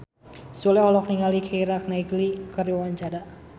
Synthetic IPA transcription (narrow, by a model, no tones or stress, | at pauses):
sulɛɦɔlɔk̚niŋalikʰeiɾak̚naiɡlikərjowaɲt͡ʃaɾaʔ